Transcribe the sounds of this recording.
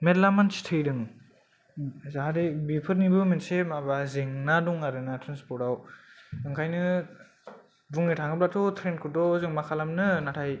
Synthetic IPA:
medlamant͡ʃi̥tʰɯjdɯŋ | zaɦaɾibipʰɯɾnibɯmensemabazeŋnaduŋaɾɯnatʰɾanspʰɔɾtawɯŋkʰajnɯ | buŋitʰaŋɯblatʰɔtʰɾen̚kʰɯtɔzɯŋmakʰalamnɯnatʰaj

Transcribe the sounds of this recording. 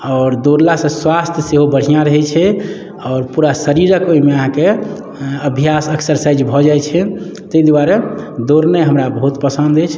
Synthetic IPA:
ɔːɾd̪oɾlasə̃swast̪ʰjseɦobəɽ̤ijãɾəɦɛt͡ʃʰɛ | ɔːɾpuɾasəɾiɾəkoimeəɦãke | əbʱijasəksəɾsajd͡ʒbʱɔd͡ʒajt͡ʃʰɛ | t̪əd̪uwaɾed̪oɾnəjɦəmɾabəɦut̪pəsə̃nd̪ɛt͡ʃʰ

